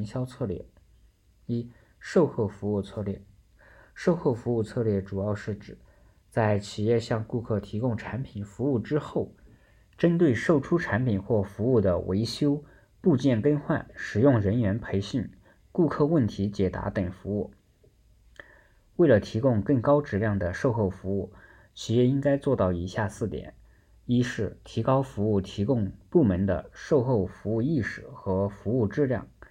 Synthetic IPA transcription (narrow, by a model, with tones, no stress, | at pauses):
ŋɕjɑ˥ʊt͡sʰɤ˥˧lɥɛ̰˥˩ | i˨˩ | ʂo˥˧ʊxɤ˥˩fu˧˥u˥˧t͡sʰɤ˥˧lɛ˥˩ | ʂo˥˧ʊxo˥˩fu˧˥u˥˧t͡sʰɤ˥˧lɥjɛ˥˩ʈ͡ʂu˨˩jɑ˥˧ʊʂɻ̩˥˩ʈ͡ʂɻ̩˨˩˦ | t͡sa˥˩ɪt͡ɕʰi˨˩jɛ˥˧ɕjɑ˥˧ŋku˥˧kʰɤ˥˩t̪ʰi˧˥kʊ˥˧ŋʈ͡ʂʰa˧˥npʰi˨˩nfu˧˥u˥˩ʈ͡ʂɻ̩˥xo˥˩ʊ | ʈ͡ʂə˥nt̪we˥˩ɪʂo˥˩ʊʈ͡ʂʰu˥ʈ͡ʂʰa˧˥npʰi˨˩nxwɔ˥˩fu˧˥u˥˩d̪ə˩wʔḛ˧˥ɪɕjo˥ʊ | pu˥˧t͡ɕjɛ˥˩nkə˥nxwa˥˩nʂɻ̩˨˩jʊ˥˩ŋɻə˧˥nɥɛ˧˥npʰe˧˥ɪɕi˥˩n | ku˥˧kʰɤ˥˧wə˥˩nt̪ʰi˧˥t͡ɕjɛ˨˩t̪a̰˧˥t̪ə˨˩ŋfu˧˥u˥˩ | we˥˩ɪlə˩t̪ʰi˧˥kʊ˥˧ŋkɤ˥˩ŋkɑ˥ʊʈ͡ʂɻ̩˥˧ljɑ˥˩ŋd̪ə˩ʂo˥˧ʊxo˥˩ʊfu˧˥u˥˩ | t͡ɕʰi˧˥ɛ˥˧i˥ŋka˥ɪt͡swɔ˥˧t̪ɑ˥˩ʊi˧˥ɕja˥˧sɹ̩˥˩t̪jɛ̰˨˩˦n | i˥ʂɻ̩˥˩t̪ʰi˧˥kɑ˥ʊfu˧˥u˥˩t̪ʰi˧˥kʊ˥˧ŋpu˥˩mə˧˥nd̪ə̰˧ʂo˥˧ʊxo˥˩ʊfu˧˥u˥˧i˥˩ʂɻ̩˨˩xɤ˧˥fu˧˥u˥˧ʈ͡ʂɻ̩˥˧ljɑ̰˥˩ŋ